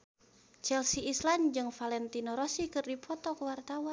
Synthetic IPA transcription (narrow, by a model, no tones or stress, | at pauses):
t͡ʃɛlsiisland͡ʒɨŋfalɛnt̪inɔɾɔsikɨrdipʰɔt̪ɔkəwart̪awan